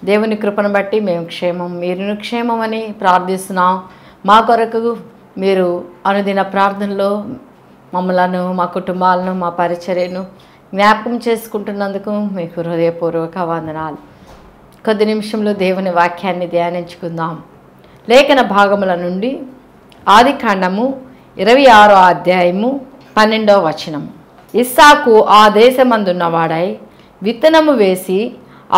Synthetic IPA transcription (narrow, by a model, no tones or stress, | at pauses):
d̪e̞ːwunikɾupɐnɐbɐʈːime̞ːmkʂɛːmɐmːiːɾunukʂɛːmɐmɐnipɾaːɾd̪ʱist̪unaːm | maːkɔɾɐkuu | miːɾuɐnud̪inɐpɾaːɾt̪ʰɐnɐlo̞ː | mɐmːɐlɐnumaːkuʈumbaːlɐnumaːpɐɾit͡ʃɐɾjɐnu | ɡnjaːpɐkɐmt͡ʃe̞ːsu̥kuɳʈunːɐnd̪ukumiːkuɾud̪ɐjɐpuːɾʋɐkɐʋaːnd̪ɐnaːlu | kod̪ːinimiʂɐmlo̞ːd̪eːʋuniʋaːkʰjaːnːid̪jaːniɲt͡ʃu̥kund̪aːmu | lɛːkɐnɐbʱaːɡɐmulɐnuɳɖi | aːd̪ʱikʰɐɳɖɐmu | iɾɐʋɐjaːɾoːaːd̪jaːjɐmu | pɐnːe̞ɳɖoːʋɐt͡ʃɐnɐmu | isaːkuʔaːd̪ɛːʃɐmɐnd̪unːɐʋaːɽɐj | ʋit̪ːɐnɐmuʋe̞ːsi